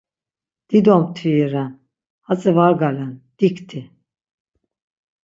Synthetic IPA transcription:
d̪̥id̪ɔmt̪ʰiiɾan | hat͡sʼivaɡaland̪̥ikt̪ʰi

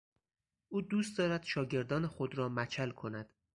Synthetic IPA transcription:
ʔuːd̪uːst̪̚d̪ɒːɾæd̪̥ʃɒːɟe̞ɾd̪ɒːnexod̪ɾɒːmæt͡ʃʰælkʰo̞næd̪̥

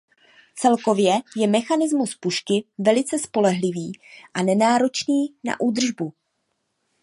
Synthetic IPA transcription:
t͡sɛlko̞vjɛjɛmɛxanɪzmuspuʃkɪvɛlɪt͡sɛspo̞lɛɦlɪviːʔanɛnaːɾo̞t͡ʃniːna̰ʔuːd̪r̩ʒbu

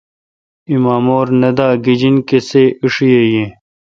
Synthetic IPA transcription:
imaːmoːɾnɐd̪aːɡid͡ʑinkeseːiʂijejẽ

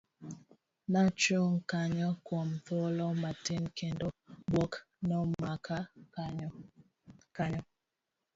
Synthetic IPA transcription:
nat͡ʃoŋ̩kaɲɔkwɔmvɔlɔmatenkendobwɔk | nɔmakʰa | kaɲɔ

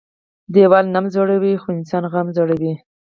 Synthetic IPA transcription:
d̪ewɑlnamzoɽawixoɪnsɑnɣamzoɽawi

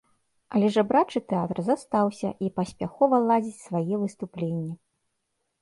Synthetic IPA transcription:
ɐlʲɛʐabɾat͡ʂɨt̪ɛat̪rzast̪awsʲɐ̰ʔipɐsʲpʲaxɔvɐlˠad͡zʲit͡sʲsvajɛvɨst̪uplʲenʲːɛ

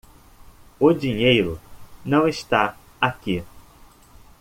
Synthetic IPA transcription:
ʊd͡ʒiɲejɾʊnɐ̃w̃eʃt̪a | aki

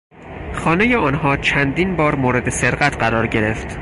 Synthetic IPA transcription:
xɒːne̞jeɒːnɦɒːt͡ʃʰænd̪iːnbɒːɾmoːɾe̞d̪e̞se̞ɾɢæt̪ʰɢæɾɒːɾɟe̞ɾe̞ft̪

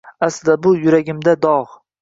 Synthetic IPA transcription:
aslɪd̪abʊjʊɾaɡʲɪmd̪ad̪ɒʁ

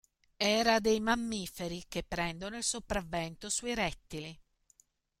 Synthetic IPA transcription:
ɛːɾad̪ejmamːiːfeɾik̟epːɾɛnd̪onoilsopɾavːɛnt̪osuiɾɛt̪ːili

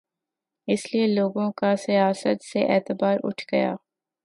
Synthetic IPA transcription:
ɪslieloːɡõkasijaːsət̪seʔɛːt̪ɪbaːɾʔʊ̰ʈʰɡɐja̰ː

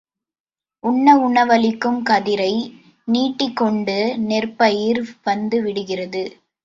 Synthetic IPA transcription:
ʔʊɳːɐʊɳɐʋɐlɪkːɯmkɐðɪɾɐɪ | niːʈːɪkːɔɳɖɯnɛrpɐjɪɾʋɐnd̪ɯʋɪɽɯɣɪrɐðɯ

